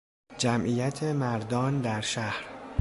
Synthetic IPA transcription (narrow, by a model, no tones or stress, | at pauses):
d͡ʒæmʔijæt̪ʰemæɾd̪ɒːnd̪æɾʃæhɾ